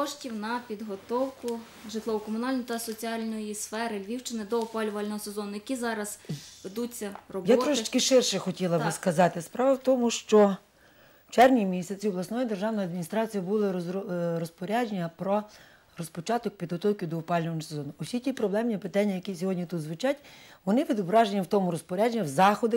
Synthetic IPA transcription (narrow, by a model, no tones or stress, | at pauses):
kɔʃtʲiwnɐpʲid̪ɦɔt̪ɔwkʊ | ʒɪt̪lˠɔʋʊkɔmʊnɑlʲnɔjit̪ɐsɔt͡sʲiɑlʲnɔjisfɛɾɪʋʲiwt͡ʃɪnɪd̪ɔɔpɑlʲʊʋɐlʲnɔɦɔsezɔnʊjɐkʲizɑɾɐz̥ʋed̪ut͡sʲːɐrɔbjtɔɾɔʃɪt͡ʃkɪʃɪrʃɛxɔtʲilˠɐbɪskɐzɑt̪ɪspɾɑʋɐwt̪ɔmʊʃt͡ʃɔ | t͡ʃɛrʋnʲimʲisʲɐt͡sʲiwʋlˠɐsnɔjid̪erʒɑwnɔjɐd̪mʲinʲist̪ɾɑt͡sʲijibulˠɪɾɔspɔɾʲad͡ʒenʲːɐpɾɔ | rɔspɔt͡ʃɑt̪ɔk̚pʲid̪ɦɔt̪ɔwkʲid̪ɔːpɑlʲnɔʋɐnsezɔnʊʊsʲitʲipɾɔblˠɛmnʲipɪt̪ɑnʲːɐjɐkʲisʲɔɦɔdʲnʲit̪ud̪zʋɪt͡ʃɑtʲʋɔnɪpʲid̪ʊbɾɑʒenʲːɐwt̪ɔmʊɾɔspɔɾʲad͡ʒenʲːɐwzɑxɔd̪ɪ